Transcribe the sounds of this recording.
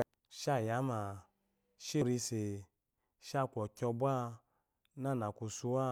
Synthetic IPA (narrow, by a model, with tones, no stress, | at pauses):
ʃa˦˨ja˨˦ma˨ | ʃe˦ɾi˧se˨ | ʃa˦˨kʷɔ˨kʲɔ˧bʷa˦ | na˦˨na˨kʷu˧su˧˦wa˦